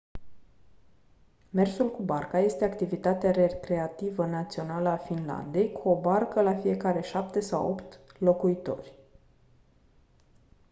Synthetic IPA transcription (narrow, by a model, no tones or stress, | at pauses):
me̞rsulkubarkaje̞st̪e̞akt̪ivit̪at̪eaɾekɾe̞at̪ivənat̪sio̞naləafinla̰nd̪e̞jkuo̞barkəlafije̞kaɾe̞ʃap̚t̪e̞sa̰wo̞̰pt̪lo̞kuit̪o̞̰rʲ